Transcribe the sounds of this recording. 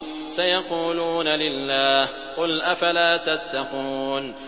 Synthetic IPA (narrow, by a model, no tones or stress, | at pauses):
sajɑquːluːnalɪlːaːh | qʊlʔafalaːt̪at̪ːɑquːn